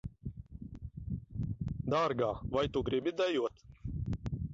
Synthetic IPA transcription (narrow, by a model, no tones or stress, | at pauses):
d̪aːɾɡaːvajt̪uɡɾibʲid̪ajuɔt̪